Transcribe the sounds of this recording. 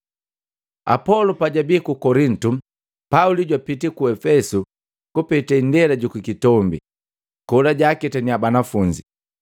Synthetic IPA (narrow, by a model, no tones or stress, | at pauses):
a̰pɔlɔpaɟabikukɔɾin̩tu | pauliɟwapitikuɛfɛsu | kupitaindɛlaɟukikitɔmbi | kɔlaɟaːkɛtaniabanafuɲd͡ʒi